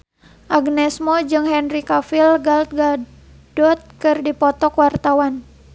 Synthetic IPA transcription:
ʔaɡnɛsmɔd͡ʒɨŋɦɛnrikafilɡalt̪̚ɡa | dɔt̪̚kɨrdipɔt̪ɔkwart̪awan

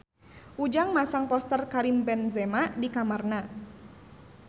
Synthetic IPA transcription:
ʔud͡ʒaŋmasaŋpɔst̪ərkaɾimbɛnzɛmadikamarna

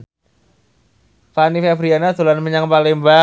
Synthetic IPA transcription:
panifabɾianat̪o̤lanməɲaŋpalɪŋmba

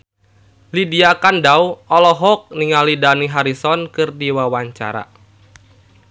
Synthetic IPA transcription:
lidiakandauɔlɔɦɔk̚niŋalidaniɦaɾisɔnkɨrdiwawaɲt͡ʃa̰ɾa̰

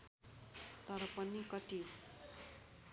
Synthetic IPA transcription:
t̪ʌɾʌpʌnikʌʈ̪i

